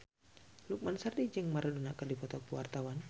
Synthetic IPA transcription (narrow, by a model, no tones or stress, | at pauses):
luk̚mansardid͡ʒɛŋmaɾadunakadipɔt̪apuwart̪awan